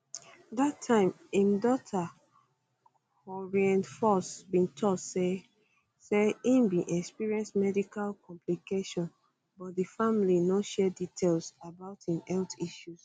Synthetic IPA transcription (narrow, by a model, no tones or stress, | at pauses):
datʰːãɪ̃m | ĩmdɔtʰa | ɔɹiɛ̃nfɔsbĩntʰɔdse | seĩmbĩʔɛkspiɹiɛ̃nsmɛdikalkʰɔ̃mplikeʃɔ̃n | bɔt̚difamlinoʃɛditʰelsabaʊtĩnɛltiʃus